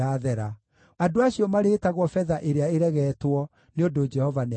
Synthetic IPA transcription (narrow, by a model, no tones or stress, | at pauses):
aðɛɾa | adoaɕiɔmaɾeːtaɣwɔfɛðaʔeɾeaeɾɛɣɛtwɔ | neodod͡ʒɛhɔvane